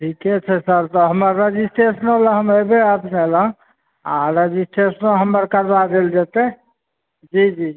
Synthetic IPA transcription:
ʈʰikɛt͡ʃʰɛsəɾt̪ɔɦəməɾːed͡ʒisʈesənoləɦəməjbeəpnelə̃ | a̰ɾed͡ʒisʈesənoɦəmːəɾkəɾbad̪eld͡ʒet̪ɛ | d͡ʒid͡ʒi

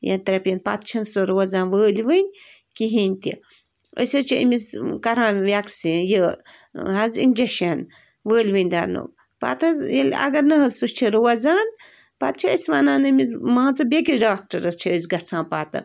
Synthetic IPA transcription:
jɐ̰nt̪ɐɾɐpʲjɐnpa̰t̪̚t͡ʃʰɐnsɨɾowɐzãːnʋəːlʲʋɨnʲ | kiɦinʲt̪ʲḭ | ə̰sɐt͡ʃʰiḭmʲizkɐɾãːnʋʲaksijə | ɦɐzḭnd͡ʒeʃɐn | ʋəːlʲʋɨnʲd̪a̰ɾno̰ːk | pa̰ːt̪ɐjelʲɐ̰ɡɐɾnɐɦɐzsust͡ʃʰiɾowɐzaːn | paːt̪̚t͡ʃʰiə̰sʋaːnaːnɨmizmãːnt͡sɐbʲekiɖaːk̚ʈɐɾɐst͡ʃʰiəzɡɐt͡sʰãːpaːt̪ɨ̰

